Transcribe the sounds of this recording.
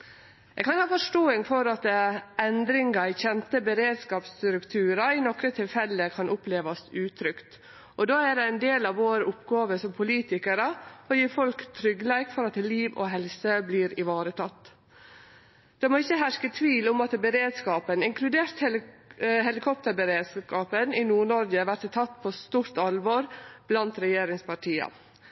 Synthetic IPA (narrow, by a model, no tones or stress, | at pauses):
ɛɡkʰɑnhɑːfɔʂʈoːɪŋfɔɾɑt̪ɛnd̪ɾɪŋɑɪçɛnt̪əbəɾeːd̪skɑːpst̪ɾʉkt̪ʰʉːɾɑɪnɔkɾət̪ʰɪlfɛlːəkʰɑnʔʊpleːʋɑsʉːt̪ʰɾʏkt̪ | ʔɔd̪oːæɖɛænd̪eːlɑʋʋoːɾəʊpɡɑːʋəsɔmpʰʊliːt̪ɪkəɾəɔjiːɾfɔlkt̪ʰːɾʏɡlæɪkfɔɾɑt̪liːʋo̰ɦɛlsəbliːɾɪʋɑːɾət̪ʰɑt̪ː | d̪̥ɛmoːɪçːəɦæʂkət̪ʰʋiːlʊmɑt̪bəɾeːd̪skɑːpənɪŋkʰlʉd̪eːɾt̪hɛ | ɦɛlɪkʰɔpt̪əɾbəɾeːd̪skɑːpənɪnuːɳɔɾɡəʋæʈt̪t̪ʰɑt̪ːpʰost̪uːɾt̪ɑlʋoːɾb̥lɑnt̪ɾɛjeːɾɪŋspʰɑʈʰiːə̰